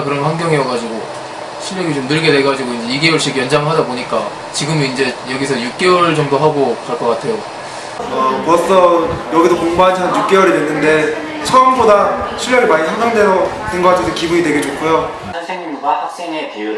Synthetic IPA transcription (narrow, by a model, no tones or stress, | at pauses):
kɯɾʌnwanɡjʌŋejʌɡad͡ʑiɡo | ɕʰiɭːjʌɡit͡ɕomnɯɭɡe̞dwe̞ɡad͡ʑiɡoind͡ʑeiɡe̞woɭɕ͈iɡjʌnd͡ʑaŋɯɭɦadaboɲik͈a | t͡ɕiɡɯmind͡ʑe̞jʌɡisʰʌjuk̚k͈e̞wʌɭt͡ɕʌŋdoɦaɡokaɭk͈ʌk͈atʰe̞jo | ʌkʌs͈ʰʌjʌɡidokoŋbad͡ʑʰanjuk̚k͈e̞wʌɾidwenːɯnde̞ | t͡ɕʰʌʌmbodaɕʰiʎːjʌɡimaɲisʰaŋɡʌŋde̞sʌ | tɯnɡʌk͈atʰesʰʌkibuɲidwe̞ɡed͡ʑokʰojo